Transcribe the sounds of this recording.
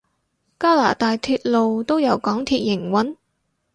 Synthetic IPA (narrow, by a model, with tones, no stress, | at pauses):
kaː˥la̰ː˨˩t̪aː˨jt̪ʰyː˧t̚lo˨wt̪o˥wjɐ˨˧wkɔː˨˥ŋt̪ʰiː˧t̚jɪ˨˩ŋwɐ˨˥n